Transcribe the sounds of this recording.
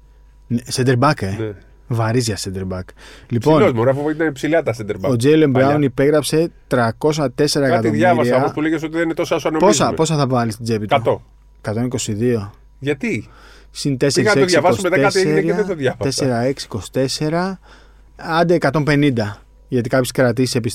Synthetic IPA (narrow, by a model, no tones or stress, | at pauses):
nesɐnd̪eɾbɐkene | vɐɾizʝɐsɐnd̪e̞ɾbɐklipoinozmuɾɐfoit̪ɐnpsilɐt̪ɐsɐnd̪eɾbɐod͡zejlembɾɐonipe̞ɣɾɐpse̞t̪ɾɐko̞s̬ɐt̪e̞se̞ɾɐekɐt̪ioðmʝɐɾɐsioopuleʝes̬ot̪iðeninet̪osoɐsoɐnopozsɐmepo̞s̬ɐθɐvvɐlist̪id͡zepit̪ot̪o | ekɐt̪o̞niko̞siðio̞ | ʝɐt̪i | sint̪e̞seɾiɐsɐeoðsʝɐvɐssumet̪ɐekɐtsieneɾeɐðet̪oðʝɐvɐeseɾɐe̞ksi̥ko̞si̥t̪e̞se̞ɾɐ | ɐnd̪eːkɐt̪o̞mpe̞nind̪ɐ | ʝɐt̪̬ikɐpçeskɾɐt̪isisepis